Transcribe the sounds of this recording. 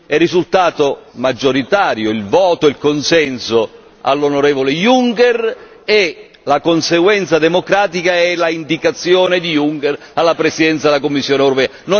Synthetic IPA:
ɛrːizult̪aːt̪omad͡ʒːoɾit̪aːɾjoilvɔːt̪oilkonsɛnso | a̰lːonoɾɛːvolejuŋkɛr | e | lakonseɡwɛnt̪sad̪emokɾaːt̪̬ikaɛlaind̪ikat̪sːjɔːned̪ijuŋkɛr | alːapɾesid̪ɛnt̪sad̪elakomːisːjɔːneɛwɾopɛːano

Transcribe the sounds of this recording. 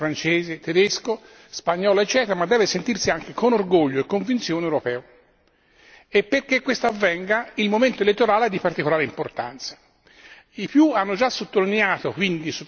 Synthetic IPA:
fɾant͡ʃeːzet̪ed̪esko | spaɲːɔːloet͡ʃːɛːt̪eɾamad̪ːɛːvesent̪irsiaŋkekonorɡoʎːoekːoɱvint̪sjoːnewɾopɛːo | epːerkːekːwest̪oavːɛŋɡailmoment̪oelet̪ːoɾaːled̪ːipaɾrt̪ikolaːɾeimport̪a̰nt̪sḁ | ipjuanːod͡ʒasːot̪ːolineaːt̪okwind̪iso

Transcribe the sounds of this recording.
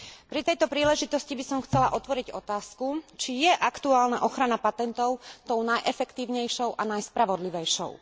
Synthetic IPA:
pɾit̪ɛjt̪ɔpɾiːlɛʒit̪ɔscibisɔmxt͡sɛlaʔɔt̪ʋɔɾiɟɔt̪aːskut͡ʃijɛʔakt̪uaːlnaʔɔxɾanapat̪ɛnt̪ɔʊt̪ɔʊnajʔɛfɛkt̪iːʊɲɛjʃɔʊʔanajspɾaʋɔd̪liʋɛjʃɔ̰ʊ

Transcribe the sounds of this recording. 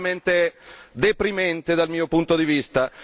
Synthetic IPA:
ment̪ed̪epɾimɛnt̪ed̪almiːopunt̪od̪ivist̪a

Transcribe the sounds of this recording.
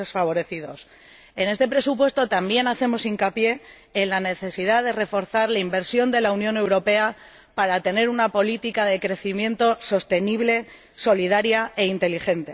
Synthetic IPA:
esfaβ̞o̞ɾe̞θiðo̞s | e̞ne̞st̪e̞pɾe̞supwe̞st̪o̞t̪ambje̞naθe̞mo̞siŋkapje̞ː | nlane̞θe̞siðaðe̞re̞fo̞ɾθaɾlaimbe̞ɾsjo̞nd̪e̞launjone̞wɾo̞pe̞a | paɾat̪e̞ne̞ɾunapo̞lit̪ikaðe̞kɾe̞θimjẽ̞nt̪o̞so̞st̪e̞niβ̞le̞ | so̞lið̞aɾjae̞int̪e̞lixe̞nt̪e̞

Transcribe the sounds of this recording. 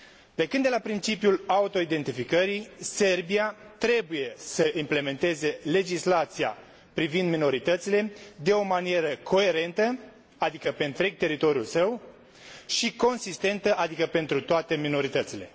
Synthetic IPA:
pe̞kɨnd̪e̞lapɾint͡ʃipjulaut̪o̞id̪e̞nt̪ifikəɾijse̞rbiat̪ɾe̞buje̞səʔimple̞me̞nt̪e̞ze̞le̞d͡ʒislat̪sia̰ | pɾivind̪mino̞ɾit̪ət̪sile̞d̪e̞omanije̞ɾəkʰo̞e̞ɾe̞nt̪ə | ad̪ikəpe̞nt̪ɾeɡ̚t̪e̞ɾit̪o̞ɾjulsəw | ʃiko̞nsist̪e̞nt̪əʔad̪ikəpe̞nt̪ɾut̪oat̪e̞mino̞ɾit̪ət̪sile̞

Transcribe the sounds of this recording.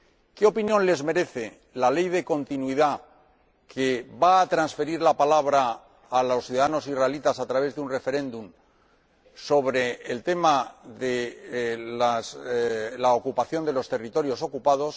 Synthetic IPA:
keopinjõ̞nle̞zme̞ɾe̞θe̞ | lale̞jðe̞ko̞nt̪inwiða | kʰe̞βaːt̪ɾansfe̞ɾiɾlapalaβ̞ɾaː | lo̞sθjuðaðano̞siraelit̪asat̪ɾaβe̞zðeunre̞fe̞ɾẽ̞nd̪um | so̞β̞ɾe̞ːlt̪e̞maðe | laslaokupaθjo̞nd̪e̞lo̞st̪e̞rit̪o̞ɾjo̞so̞kupaðo̞s

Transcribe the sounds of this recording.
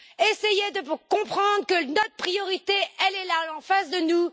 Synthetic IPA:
esejed̪əpukɔ̃pχɑ̃d̪ʁəkənɔt̪χəpχijɔʁit̪eʔɛlɛlaɑ̃fasd̪ənu

